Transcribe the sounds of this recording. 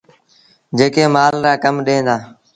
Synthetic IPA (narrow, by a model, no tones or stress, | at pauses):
d͡ʒeːkeːmaːlɾaːkəmɗẽːd̪aː